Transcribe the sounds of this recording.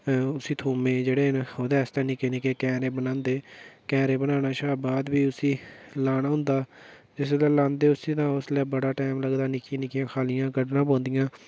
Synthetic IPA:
ʊsiːt̪ʰuːmẽːd͡ʒeːɽeːɦnoːd̪ɛːst̪ãːnĩːkeneːkekɛːɾeːbənãːnd̪eːkɛːɾeːbənaːnaːʃaːbaːd̪biːʊsiːlaːnaːɦʊ̃nd̪aː | d͡ʒɪs̬laːlãːnd̪eːʊsĩːt̪ãːʊslɛːbəɽaːʈɛːmləɡd̪aːnɪkĩːnɪkɪjãːkʰaːlɪjãːɡəɖnãːp̬ɔ̃ːnd̪ɪjãː

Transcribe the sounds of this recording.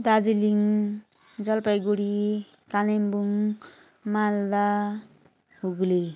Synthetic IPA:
d̪ad͡ziliŋ | d͡zʌlpajɡuɽi | kalembuŋ | mald̪a | ɦuɡli

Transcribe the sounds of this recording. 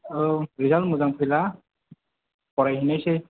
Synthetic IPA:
ɾizalmuzaŋpʰɯjla | pɔɾajɦinajsej

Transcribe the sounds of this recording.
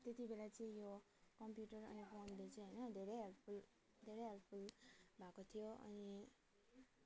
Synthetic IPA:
t̪et̪ibelat͡sĩĩjo | kʌmpjuʈəɾʌ̰nipʰomd̪et͡sĩɦəjnʌd̪ʱeɾeɦelʈpʰul | d̪ʱeɾeɦelʈpʰulbʱakot̪ʰijoʌ̰ni

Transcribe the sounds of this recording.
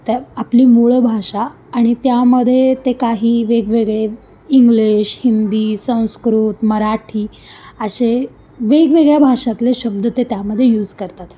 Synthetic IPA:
t̪eapliːmuɭbʱaʂaː | ɽ̃it̪jaməd̪ʱːjet̪ekaɦiːʋeɡʋeɡɭe | iŋɡliɕhind̪iːsə̃w̃skɾuːt̪məɾaʈʰiː | əɕe | ʋeɡʋeɡɭjabʱaʂat̪leɕəb̚d̪ʱət̪et̪jaməd̪ʱːjejuːd͡zkəɾt̪at̪

